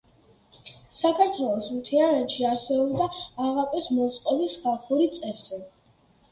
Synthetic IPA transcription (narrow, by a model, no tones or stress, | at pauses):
sakʰaɾt̪ʰwɛlˠɔsmt̪ʰianɛt̪ʃiaɾsɛbɔbd̪aːʁapʼɛsmɔut̪sʼqʼɔbisχalˠχuɾit̪sʼɛsi